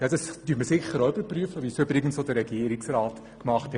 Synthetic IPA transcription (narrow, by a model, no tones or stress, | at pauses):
jɛd̥ɑstyːətməsɪχəɾoøbəɾpryəfəʋisøbɾɪɡənsodəɾɛɡiəɾɪksraːt | kmɑχthɛ